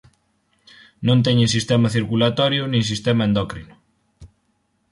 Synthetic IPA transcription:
nõnt̪ɛɲẽsist̪emɐθiɾkulat̪ɔɾjʊnĩŋs̬ist̪emɐẽnd̪ɔkɾinʊ

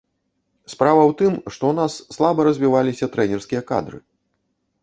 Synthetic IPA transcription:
spɾavɐwt̪ɨmʂt̪ɔwnasːlˠabɐɾɐzʲvʲivalʲisʲɐt̪ɾɛnʲɛrskʲijɐka̰d̪ɾɨ̰

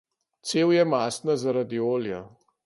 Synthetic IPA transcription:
t̪seːwjɛmast̪nazaɾad̪ioːlja

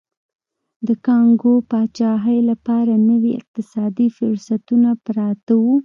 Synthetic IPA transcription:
d̪əkɑŋɡopɑt͡ʃɑɦəjlapɑɾanəwiɪ̰q̚t̪ɪsɑd̪ifʊɾsat̪unapɾɑt̪awu

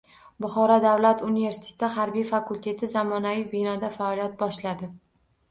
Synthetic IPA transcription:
bʊχɒɾɒd̪avlat̪ʊnive̞ɾsɪ̥t̪ʰe̥t̪ɪɦaɾbijfakulʲt̪ʰe̞t̪ʰɪzamɒnavijbinɒd̪afaːlijat̪̚bɒʃlad̪ɪ

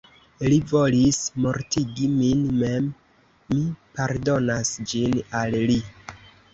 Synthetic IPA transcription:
livo̞lismo̞ɾtiɡiminme̞mː | ipaɾdo̞nasd͡ʒinalli

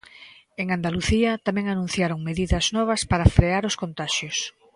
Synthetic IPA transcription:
eŋand̪aluθiɐt̪amɛ̃ŋanũn̟θjaɾoŋmeðiðɐznɔβ̞ɐspaɾɐfɾeaɾʊskont̪aʃjʊs

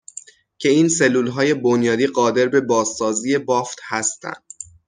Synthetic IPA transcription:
cʰe̞iːnselːuːlɦɒːje̞bonjɒːd̪iːɢɒːd̪e̞ɾbe̞bɒːzːɒːziːe̞bɒːft̪hæst̪æ̰nd̪̥

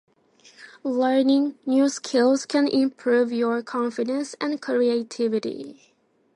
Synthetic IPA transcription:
lɜ˞nɪ̃ŋnjuskʰɪlˠz̥kʰɨ̃nʔɪ̃mpʰɹuvjəɹkʰɑ̃ɱfɪdə̃nsæ̃nkʰɹieɪtʰɪvɨɾḭ

